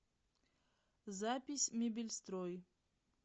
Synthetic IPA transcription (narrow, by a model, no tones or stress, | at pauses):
zapʲisʲmʲebʲilʲst̪ɾoj